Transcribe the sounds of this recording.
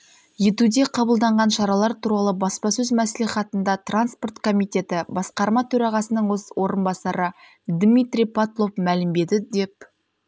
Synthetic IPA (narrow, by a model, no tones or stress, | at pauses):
je̞t̪ud̪e̞qʰɑbəlˠd̪ɑɴʁɑnʃɑɾɑlˠɑɾt̪ʰuɾɑlˠəbɑspɑsɵzmæsliχɑt̪ənd̪ɑt̪ranspo̞rt̪kʰo̞mijt̪e̞t̪ɪbɑsqɑɾmɑt̪ʰɵɾɑʁɑsənəɴwoswʔo̞ɾənbɑsɑɾə | d̪mijt̪ɾʲijpʰat̪lˠo̞fmælɪmbe̞d̪ɪd̪e̞p̚